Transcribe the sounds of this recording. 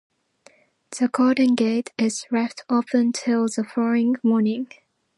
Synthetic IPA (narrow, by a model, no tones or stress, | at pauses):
ð̥əkʰɔɾɪ̃ŋɡeɪtɪz̥ɹɛftʰɔfə̃ntʰɪlˠðəfɔloɪ̃ŋmɔːnɪ̃ŋ